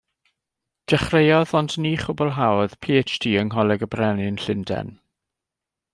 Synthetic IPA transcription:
d̥ɛχrejɔðɔndniːχʊbɔlˠɦawð̥pʰiːet͡ʃdʰiːəŋɦɔlˠɛɡəbrɛnɪnɬɪndɛ̰n

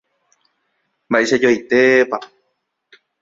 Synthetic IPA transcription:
mbaʔeʃad͡ʒojt̪epa

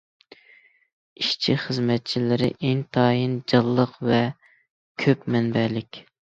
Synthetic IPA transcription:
iʃt͡ʃʰiχəzmɛt̪̚t͡ʃʰilɪɾɪ̰ʔeŋt̪ʰɑːjind͡ʒɑlˠːəqvɛ | kʲʰøpmɛnbɛlɪkʲ

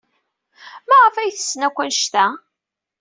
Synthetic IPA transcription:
mæʁəfæjθə̥sːnækʷːænʃt̪æ

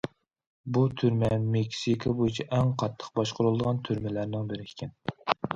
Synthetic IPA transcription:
but̪ʰyɾmɛmekʲsikʰɑbojit͡ʃʰɛʔɛŋqʰɑt̪ʰːə̥qbɑʃqʰʊɾʊlˠd̪əʁɑnt̪ʰyɾmɪlæɾnɪŋbɪɾɪ̥kʲʰɛn

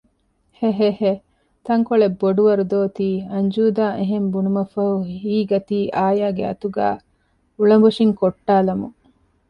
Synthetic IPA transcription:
heɦehe | t̪ɐŋkoɭebːoɖuʋɐɾud̪oːt̪iːɐɲd͡ʒuːd̪aːʔeɦembunumɐfɐɦuiːɡɐt̪iːʔaːjaːɡeɐ̰t̪uɡa̰ː | uɭɐmboʂiŋkoʈːaːlɐmu

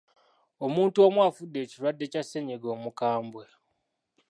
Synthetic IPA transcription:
omuːntuomwaːfudːe̞ːciɾwadːe̞ːcaseɲeɡo̞ːmukaːmbwe̞

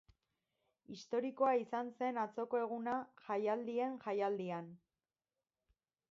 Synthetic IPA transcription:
ist̪o̞ɾiko̞aisanse̞nat͡so̞ko̞e̞ɣ̞unaʝajald̪ie̞nʝajald̪ian

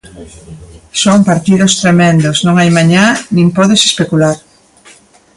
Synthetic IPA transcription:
soŋpaɾt̪iðost̪ɾemẽnd̪osnõŋajmaɲanĩŋpɔðese̥spekulaɾ

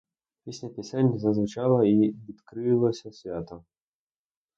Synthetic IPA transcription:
pʲisʲlʲɐpʲisʲanʲzɐzʋʊt͡ʃɑlˠɐiʋʲid̪kɾɪlˠɔsʲɐsʲʋʲat̪ɔ

